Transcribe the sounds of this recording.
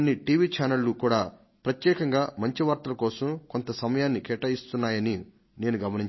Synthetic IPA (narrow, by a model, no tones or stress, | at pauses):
nːiʈiːʋiːt͡ʃaːnɐlːukuːɽaː | pɾɐt̪jɛːkɐŋɡaːmɐɲt͡ʃiʋaːɾt̪ɐlɐkɔːsɐmko̞nt̪ɐsɐmɐjaːnːikɛʈɐjist̪unːaːjɐni | ne̞ːnuɡɐmɐniɲt͡ʃ